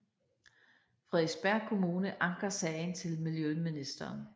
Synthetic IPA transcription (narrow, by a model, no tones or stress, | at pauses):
fʁɛðˠsb̥æɐ̰kʰo̝muːnəʔɑ̈ŋɡ̥ɐsɛɪnt͡sʰe̝lmiljøminisd̥ɐːn